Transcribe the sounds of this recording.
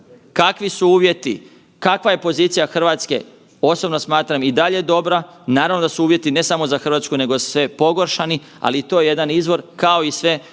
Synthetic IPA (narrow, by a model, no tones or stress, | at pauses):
kakʋisuuːʋje̞t̪i | kakʋaje̞po̞ziːt̪sijaxr̩ʋaːt̪ske̞̰ | o̞sobnosmaːt̪ɾamid̪aʎe̞d̪o̞bɾanaːɾaʋnod̪asuuːʋje̞t̪ine̞samo̞zaxɾʋaːt̪skune̞ɡosʋe̞po̞ɡo̞ɾʃani | a̰liːt̪o̞ːjeje̞d̪anizʋo̞ɾkao̞isʋe